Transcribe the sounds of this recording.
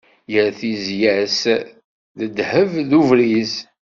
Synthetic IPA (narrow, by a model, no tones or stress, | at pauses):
jəɾθizjæs | ðəd̪həvðuvɾiz